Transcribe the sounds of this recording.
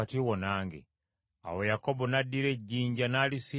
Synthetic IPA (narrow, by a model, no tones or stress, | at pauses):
atiwonaːŋɡḭ | a̰wejakobonadːiɾe̞ɟːiːɲɟanaːlisi